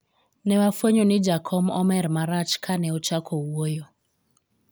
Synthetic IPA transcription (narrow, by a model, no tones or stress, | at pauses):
nɛwafweɲɔnid͡ʒakʰɔmɔmɛɾmaɾat͡ʃkʰanɛɔt͡ʃakʰouojɔ